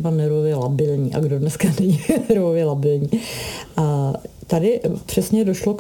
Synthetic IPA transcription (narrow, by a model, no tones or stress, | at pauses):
banɛɾvovjɛlabɪlɲiːʔa̰ɡdodnɛskanɛɲinɛɾvovjɛlabɪlɲiːʔat̪adɪpr̝̥ɛsɲɛdoʃlok